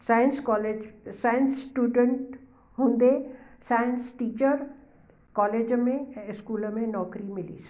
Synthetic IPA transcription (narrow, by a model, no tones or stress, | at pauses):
saːjənskɔːled͡ʒsaːjənsʈuːɖəɳʈ | ɦũːnd̪esaːjənsʈiːt͡ʃəɾ | kɔːleːd͡ʒmẽɪskuːlmẽnɔːkɾimɪlḭːs